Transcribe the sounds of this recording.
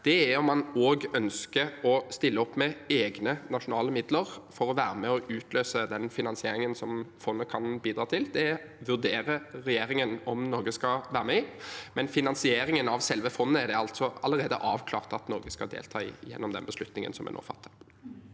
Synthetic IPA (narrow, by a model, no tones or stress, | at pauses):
d̪̥ɛɛɔmːɑnoːɡœnskəɔst̪ɪlːəɔpːmɛeːɡnənɑʂʊnɑːləmɪd̪ləʁfɔɾɔʋæːʁəmɛɔʔʉːt̪ʰløːsəd̪ɛnfɪnɑnsɪeːɾɪŋənsɔmfɔnːəkʰɑnbiːd̪ɾɑːt̪ʰɪld̪ɛɛ | ʋʉd̪eːʁəɾɛjeːɾɪŋənɔmnɔːɡəskɑʋæːʁəmɛɪmɛnfɪnɑnsɪeːɾɪŋənɑʋsɛlʋəfɔnːəɛʁd̪ɛɑlt̪sɔɑləʁeːd̪ə̰ʔɑːʋkʰlɑ̰ːʁt̪ɑt̪nɔːɡəskɑd̪ḛːlt̪ʰɑːɪ̰jɛ̰nːɔmd̪ɛ̰nbəslʉt̪nɪŋə̰nsɔmɛ̰nʔɔ̰ːfɑ̰t̪ʰːə̥